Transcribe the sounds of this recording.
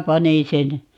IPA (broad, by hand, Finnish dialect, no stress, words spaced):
pɑnin sen